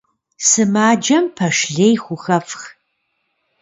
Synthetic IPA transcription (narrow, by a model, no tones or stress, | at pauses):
sɨmaːd͡ʒɐmpʰɐʂɮejxʷʊxɐfx